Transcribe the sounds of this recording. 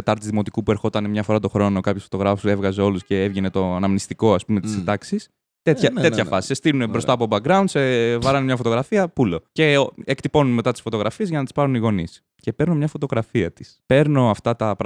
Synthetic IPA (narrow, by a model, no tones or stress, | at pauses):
et̪ɐɾt̪izðimo̞t̪ikupue̞ɾxo̞t̪ɐnmɲɐfo̞ɾɐt̪o̞xɾo̞no̞kɐpçesfot̪o̞ɣɾɐfu̥se̞vɣɐze̞o̞lusce̞evʝene̞t̪o̞ɐnɐmnist̪iko̞ɐspume̞t̪isind̪ɐksis | t̪et̪çɐt̪e̞t̪çɐfɐsi̥sest̪ilunebɾo̞st̪ɐpobɐk̚ɡɾɐund̪sevɐɾɐnemɲɐfo̞t̪o̞ɣɾɐfiɐpulo̞ce̞ekt̪ipo̞nunme̞t̪ɐt̪isfo̞t̪o̞ɣɾɐfiezʝɐnɐt̪i̥spɐɾuniɣo̞nis | ce̞peɾnomɲɐfo̞t̪o̞ɣɾɐfiɐt̪i̥spe̞ɾno̞ɐft̪ɐt̪ɐp